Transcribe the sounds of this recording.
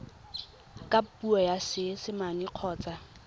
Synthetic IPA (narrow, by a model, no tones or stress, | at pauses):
kʼapuɔjasɪsɪmaniq͡χʰɔːt͡sʼa